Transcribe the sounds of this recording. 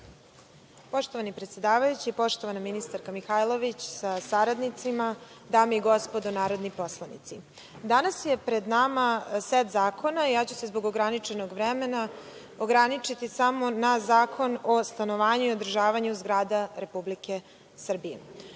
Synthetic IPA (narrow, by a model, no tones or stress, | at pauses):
po̞ʃt̪oʋanipɾet̪sjed̪aːʋajut͡ɕiːpo̞ʃt̪o̞ʋanaminist̪aɾkamixajlˠoʋit͡ɕsasaɾad̪nit̪simad̪aːmeiɡo̞spod̪onaːɾo̞d̪nipo̞slˠanḭt̪si | d̪anasje̞pɾe̞d̪namaset̪zaːko̞najaːt͡ɕuse̞zboɡoɡɾanit͡ʂenoɡʋɾemena | oɡɾanit͡ʂit̪isamo̞nazaːkʰo̞nost̪ano̞ʋaːɲuio̞d̪r̩ʒaːʋaɲuzɡɾaːd̪aɾe̞publike̞ | sr̩bije